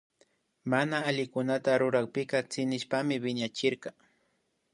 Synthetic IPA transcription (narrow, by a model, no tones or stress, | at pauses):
manaːʎɪkʊnat̪aɾʊɾɑχpɪkɑt͡sɪnɪʃpamɪbɪɲat͡ʃɪɾɢɑ